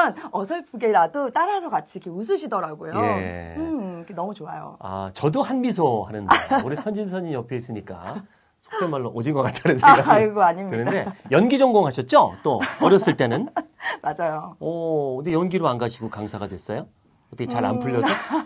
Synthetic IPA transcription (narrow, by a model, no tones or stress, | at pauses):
nʌsʰʌɭpʰuɡeɾadot͈aɾasʰʌkat͡ɕʰikʰeus̬ʰɯɕʰidʌɾaɡojoje̞ | ɡenʌmut͡ɕoajo̰a̰t͡ɕʌdohanmisʰohanɯnuɾesʰʌnd͡ʑinsʰʌɲinjʌpʰies͈ɯɲik͈a̰ | sʰo̥kp͈emaɭːoʔod͡ʑinɡʌk͈atʰaɾɯsʰiɭɡoaɲimkɯinʌndde̞jʌnɡid͡ʑʌŋɡoŋɦaɕʰʌt̚t͡ɕ͈ot͈oʌɾjʌs͈ɯɭt͈e̞nɯnmad͡ʑajoʌkɯndejʌnɡiɾoanɡaɕʰiɡokaŋsʰaɡadwe̞s͈ʌjo | ʌtʰʌkʰet͡ɕaɾa̰npʰuʎːʌsʰʌ